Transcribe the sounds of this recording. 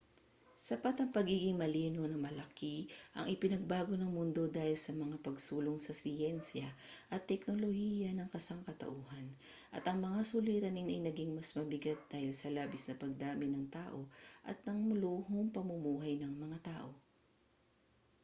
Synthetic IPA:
sɐpat̪ɐŋpɐɡiːɡɪŋmɐliːno̞nɐmɐlɐkiʔɐ̰ŋʔɪpɪnɐɡ̚baːɡo̞nɐŋmʊnd̪o̞d̪aːhɪlsɐmɐŋapɐɡsuːloŋsɐsɪɛnsjɐʔɐt̪ːɛk̚no̞lohiːjɐnɐŋkɐsaŋkɐt̪ɐ̰ʔuːhɐn | ʔɐt̪ɐŋmɐŋasʊliːɾɐnɪnɐ̰jnɐɡiŋmɐsmɐbɪɡat̪̚d̪̥aːhɪlsɐlaːbɪsnɐpɐɡ̚d̪aːmɪnɐŋt̪aːʔo̞ʔɐ̰t̪̚nɐŋmʊluːhoŋpɐmʊmuːɦɐjnɐŋmɐŋat̪aːʔo̞

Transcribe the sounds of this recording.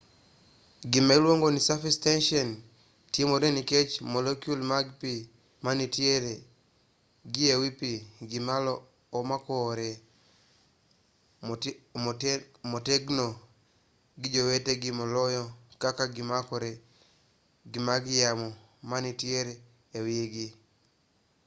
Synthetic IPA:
ɡimalwoŋɡonisafistɛnʃɔn | tjemoɾeniket͡ʃmolekjulmaɡpi | manitjeɾe | ɡiewipiɡimalɔː | makɔɾe | moteɡno | ɡid͡ʒoweteɡimɔlɔjɔkakaɡimakɔɾe | ɡimaɡjamɔ | manitieɾe | ewieɡi

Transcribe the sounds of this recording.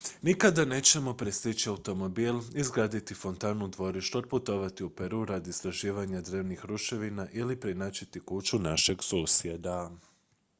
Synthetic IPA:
nikad̪ane̞t͡ɕe̞mo̞pɾest̪it͡ɕiaut̪o̞mo̞biːlizɡɾaːd̪it̪ifo̞nt̪aːnud̪ʋo̞ɾiʃt̪uod̪̚put̪o̞ʋat̪iupe̞ɾuːɾad̪ist̪ɾaʒiːʋaɲad̪ɾeːʋnixɾuʃe̞ʋinaʔilipɾinaːt͡ɕit̪ikuːt͡ʃunaʃe̞ɡsusied̪a

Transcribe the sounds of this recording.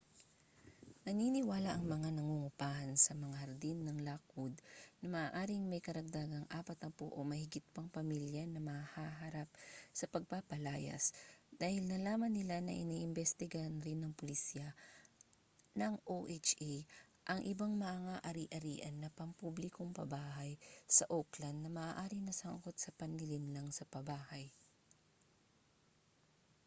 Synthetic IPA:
nɐninɪwaːlaʔɐŋmɐŋanɐŋuŋʊpaːhɐnsɐmɐŋahɐɾd̪inːɐŋlaːkod̪nɐmɐʔːʔaːɾɪŋmɐjkɐɾɐɡ̚d̪aɡɐŋʔaːpɐt̪ɐpo̰ʔomɐhɪɡɪt̪̚pɐŋpɐmiljanɐmɐahaɦaɾap̚sɐpɐɡ̚papɐlaːjɐ̰sd̪̥aːhɪlnɐlaːmɐnːɪlanɐ̰ʔɪniʔɪmbɛst̪ɪɡanɾɪnːɐŋpolisjɐ | nɐŋʔoʔet͡ʃʔiʔɐŋʔɪbaŋmɐʔaŋaʔɐɾiːʔɐɾiːʔɐnːɐpɐŋpublɪkoŋpɐ̰baːhɐjsɐʔoklɐnd̪nɐmɐːʔːʔaːɾɪnɐsaŋkot̪̚sɐpɐnɪlɪnlɐŋsɐpɐbaːhɐj

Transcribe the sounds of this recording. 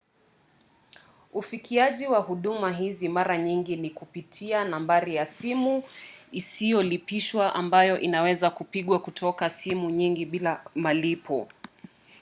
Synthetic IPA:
ufikʰiaʄiwahuɗumaɦizimaɾaɲiŋɡinikupitʰianambaɾijasimuisijɔlipiʃwaʔambajɔʔinawɛzakupiɠwakutʰɔkasimuɲiŋɡiɓilamalipʰɔ

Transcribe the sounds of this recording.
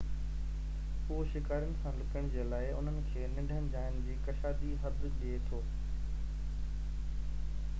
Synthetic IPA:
ɦuʃɪkaːɾjənɪ̆sãlɪkəɽ̃d͡ʑeːlaːɪʊ̰n̤ənɪ̆kʰeːnɪ̃ɖʱənɪ̆d͡ʑaːjənɪ̆d͡ʑiːkɐʃaːd̪iɦɐt̪ʄiet̪ʰoː

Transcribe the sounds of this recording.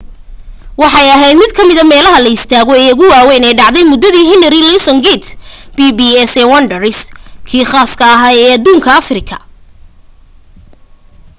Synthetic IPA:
wɑħɑjɐɦɛjd̪mɪd̪̚kʰɐmɪðɐmɛːlɐɦɐlɐɪst̪ʰaːɣɔɛːʊɣʊwaːwɛjnɛjɖɑʕd̪ɛjmʊd̪ːɐðiːɦɪnɐɾilɪsɔŋɡɛt̪sb̥ibiːɛsɛwɐnɖɐɾɪskʰiːχaːskʰɐːɦaːɛːɐd̪uːŋkʰɐɐfrɪkʰɐ̥̰

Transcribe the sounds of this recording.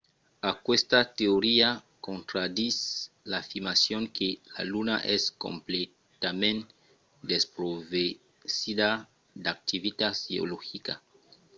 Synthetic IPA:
akwest̪at̪eoɾia | kõnt̪ɾad̪is | laːfiɾmasjoŋkʰela̰lunaʔesko̰mple | t̪amẽn | d̪espɾove | siða | d̪ak̚t̪ivit̪asio̰loxika̰

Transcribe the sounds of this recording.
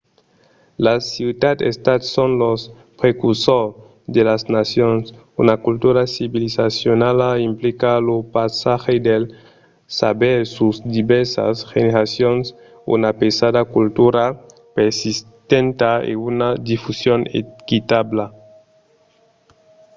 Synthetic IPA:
lasud̪ad̪ḛst̪at̪sonlos | pɾekuɾsoɾ | d̪elaznasjons | unakult̪uɾasiβilisasjonalaimplikalopasaxed̪el | sa̰beɾsusd̪iβɛɾsa̰sxeneɾasjons | ṵnapesadakult̪uɾa | peɾsist̪ent̪aḛunad̪ifusjonḛkit̪abla

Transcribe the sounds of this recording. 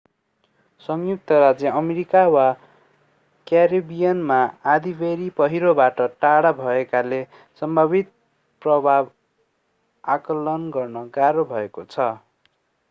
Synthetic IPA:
sʌŋjuk̚t̪ʰʌɾad͡zjʌʔʌmeɾikawa | kjaɾibijanmaad̪ibeɾipʌɦiɾobaʈʌʈaɽabʱʌekale | sʌmbʱʌbit̪̚ | prʌbʱab | akʌlʌnɡʌrnʌɡaɾobʱʌekot͡sʰʌ

